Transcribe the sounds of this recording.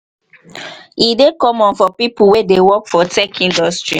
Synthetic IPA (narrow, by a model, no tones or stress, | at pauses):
idekɔmɔ̃nfɔpipuwedewɔkfɔtɛkʰĩndɔstɹi